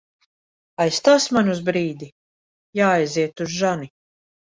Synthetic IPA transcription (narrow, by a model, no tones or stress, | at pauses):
ajst̪aːsmanʲuzbɾiːd̪i | jaːajziɛt̪uzʒani